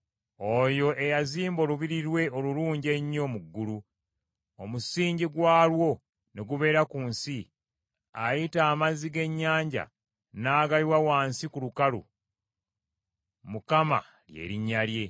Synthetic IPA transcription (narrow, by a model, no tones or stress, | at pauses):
o̞jo̞ʔe̞jaziːmbo̞luβiɾiɾwe̞o̞luluːɲɟe̞ɲːo̞muɡːulu | omusiːɲɟiɡwaːlwo̞ | ne̞ɡuβe̞ːɾakuːnsi | ajitaːmaziɡe̞ɲːaːɲɟa̰ | naːɡaliwawaːnsikulukalṵ | mukama̰ | lje̞̰ːɾiɲːalje̞